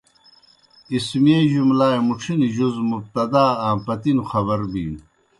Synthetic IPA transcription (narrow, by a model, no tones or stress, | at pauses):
ismieːʑumlaːemuʈ͡ʂʰiniʑuzmub̚t̪ɐd̪aːãːpɐt̪inuxɐβɐɾbḭːn